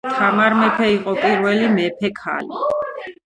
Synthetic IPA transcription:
t̪ʰamaɾmɛpʰɛiqʼɔpʼiɾvɛlimɛpʰɛkʰa̰li

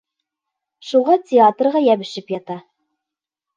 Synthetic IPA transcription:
ʃuʁɑtʲɪat̪rʁɑjæβɘ̆ʃɘpjɑt̪ɑ

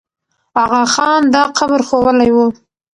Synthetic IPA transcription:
haɣaxɑnd̪ɑqabɾxowəlajwu

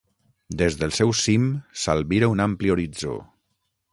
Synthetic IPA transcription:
d̪ezðəlˠsɛwsimsalˠβiɾəunamplioɾid͡zo̰

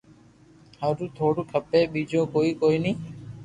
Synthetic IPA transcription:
həɾũːt̪ʰoːɽuːkʰəpeːɓiːd͡ʒõːkoːiːkoːiːnĩː

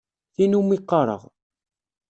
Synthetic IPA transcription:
θinumiqːɑɾˤə̰ʁ

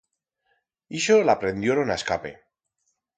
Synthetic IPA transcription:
iʃolapɾe̞nd̪joɾonaskape

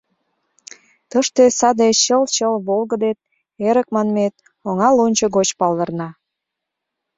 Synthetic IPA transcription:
t̪əʃt̪esɑd̪eɕəlt͡ɕəlβolɣəd̪et̪̚ | eɾək̚mɑnmet̪̚ | oŋɑlonʲt͡ɕəɣot͡ɕpɑld̪ə̆rnɑ

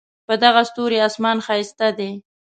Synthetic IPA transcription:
pəd̪aɣast̪oɾeɑsmɑnxɑɪst̪ad̪e

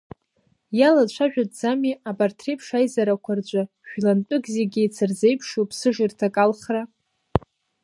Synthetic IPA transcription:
jalat͡ɕʷʰaʒᶣadʼd͡zamiabartʰrepʰʂajzaɾakʷʰard͡ʒʷʼa | ʃᶣlant͡pʼʊɡzeɡʲɪt͡sʰɨrze̞jpʰʂupʰsɨʐirtʰakʼalχra

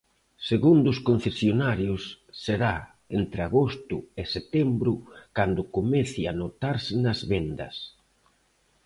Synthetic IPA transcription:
seɣund̪ʊskon̟θesjonaɾjʊsːeɾa | ent̪ɾeaɣost̪ʊɪset̪ɛmbɾʊkand̪ʊkomɛθianot̪aɾsɪnɐzβend̪ɐ̰s

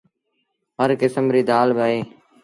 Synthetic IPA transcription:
ɦəɾkɪsəmɾiːd̪aːlbəːɦeː

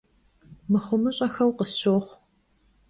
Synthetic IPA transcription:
mɨχʷʊmɨɕʼɐxɐwqəsɕoːχʷ

